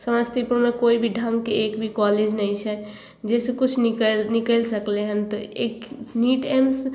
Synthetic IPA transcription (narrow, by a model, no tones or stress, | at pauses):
səməst̪ipuɾmekoibʱiɖʱə̃ŋɡkeekbʱikɔled͡ʒnəjt͡ʃʰɛ | d͡ʒɛsekut͡ʃʰnnikəlsəkleɦənt̪ɔekniʈems